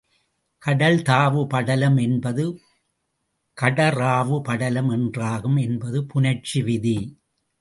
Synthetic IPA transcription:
kɐɽɐlt̪aːʋɯpɐɽɐlɐmɛnbɐðɯ | kɐɽɐɾaːʋɯpɐɽɐlɐmɛndraːɣɯmɛnbɐðɯpʊnɐt͡ʃiʋɪði

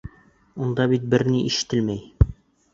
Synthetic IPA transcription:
und̪ɑbit̪̚bɘɾniʔiʃɘ̥̆t̪ɘlmæj

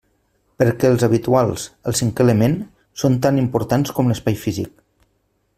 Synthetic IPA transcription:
pəɾkɛəlˠzəβit̪ualˠsəlˠsiŋkələmen | sont̪animpuɾt̪anskɔmləspajfizḭk̚

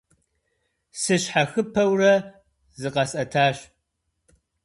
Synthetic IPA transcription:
sɨɕħaxɨpʰɐwrɐ | zɨqɐsʼɐtʰaːɕ

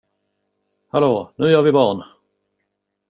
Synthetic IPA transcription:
haloːnʉ̟ːjœːɾvɪbɑːɳ

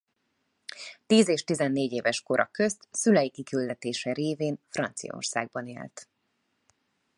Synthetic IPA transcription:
t̪iːzeːʃt̪izɛnːeːɟeːvɛʃko̞ɾʔɒ̰køst̪sylɛjikikyld̪ɛt̪eːʃɛɾeːveːnfrɒnt̪sijɒ̰o̰rsa̰ːɡ̚bɒnḛːlt̪

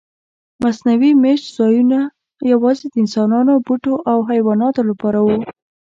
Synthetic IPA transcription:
masnawimeʃt̪z̥ɑjuna | jawɑzed̪əɪnsɑnɑnobuʈoʔawɦajwɑnɑt̪olapɑɾawu

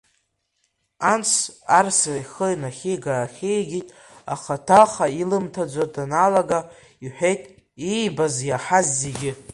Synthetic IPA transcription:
ant͡sʷʰarsajχəinaχʲeɡaːχʲejɡʲitʼ | aχatʰaχailɨmtʰad͡ʒʷadʰanalaɡa | iħʷᶣejtʼ | ejbazjaħazːeɡʲɪ

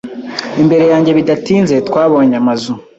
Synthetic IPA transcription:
imbe̞ɾe̞jaːɲɟe̞βidatiːnze̞tkwaːβoɲamazu

